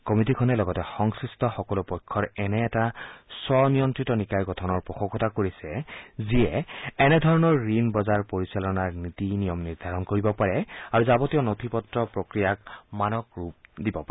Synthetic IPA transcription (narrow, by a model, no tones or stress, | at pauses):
kɔmitikʰɔnɛlɔɡɔtɛxɔŋsɹistɔxɔkɔlʊpɔjkʰːɔɹɛnɛːtasɔnijɔntɹitɔnikajɡɔtʰɔnɔɹpɔxɔɡɔtakoɹisɛziɛɛnɛdʱɔɹɔnɔɹːinbɔzaɹpoɹisalɔnaɹnitinijɔmniɹdʱaɹɔnkoɹibɔpaɹɛaɹuzabɔtijɔnotʰipɔtɹɔpɹokɹijakmanɔkɹup̚dibɔpa